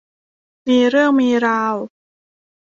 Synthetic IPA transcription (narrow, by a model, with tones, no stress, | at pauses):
miː˧ɾɯ˥˩əŋmiː˧ɾaː˧w